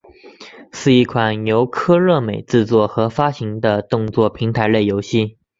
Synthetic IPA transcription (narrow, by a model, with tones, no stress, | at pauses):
ʂɻ̩˥˧i˥˩kʰwa˨˩njo˧˥ʊkʰɤ˥ɻɤ˥˩me˨˩ɪʈ͡ʂɻ̩˥˧t͡swɔ˥˩xɤ˧˥fa˥ɕi˧˥ŋd̪ə˧t̪ʊ˥˧ŋt͡swɔ˥˩pʰi˧˥ŋt̪ʰa˧˥ɪle˥˩ɪjo˧˥ʊɕi˥˩